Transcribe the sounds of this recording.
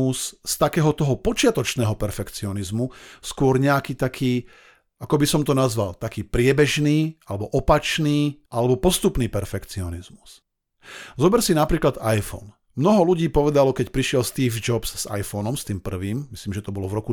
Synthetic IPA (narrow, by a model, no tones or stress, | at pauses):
usst̪akɛːɦɔt̪ɔɦɔpɔt͡ʃɪat̪ɔt͡ʃnɛːɦɔpɛɾfɛkt͡siɔnizmuskʊɔɾɲɛakiːt̪akʰiː | akɔbisɔmt̪ɔnazʋalt̪akiːpɾɪɛbɛʒniːʔalɛbɔʔɔpat͡ʃniːʔalɛbɔpɔst̪upniːpɛɾfɛkt͡siɔnizmu̥s | zɔbɛɾsinapɾiːklad̪ajfɔ̰n | mnɔɦɔluɟiːpɔʋɛd̪alɔkɛcpɾiʃɪɛlst̪iːfd͡ʒɔbsz̥a̰jfɔnɔmst̪iːmpr̩ʋiːmmisliːmʒɛt̪ɔbɔlɔvɾɔku